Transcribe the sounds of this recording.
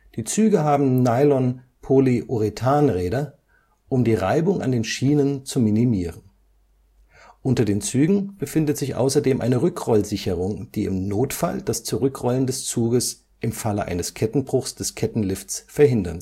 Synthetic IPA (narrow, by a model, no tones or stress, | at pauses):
d̥iːt͡syːɡəɦaːbm̩naɪlɔn | pʰoliʔuʁitʰaːnʁɛːdɐ | ʔʊmdiːʁaɪbʊŋʔa̰ndeːnʃiːnənt͡suminimiːʁən | ʔʊntɐdeːnt͡syːɡŋ̩b̥əfɪndətz̥ɪçʔa̰ʊsɐdeːmʔa̰ɪnəʁʏkʁ̥ɔlzɪçəʁʊŋd̥iːɪmnoːtfa̰ld̥ast͡suʁʏkʁɔləndɛst͡suːɡəs | ʔɪmfaləʔa̰ɪnəskʰɛtn̩bʁʊxsd̥ɛskʰɛtn̩lɪfsfɛɐɦɪndɐ̰n